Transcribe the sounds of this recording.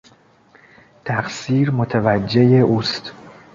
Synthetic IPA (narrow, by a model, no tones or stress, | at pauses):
t̪ʰæχsiːɾmot̪ʰevæd͡ʒːe̞jeʔuːst̪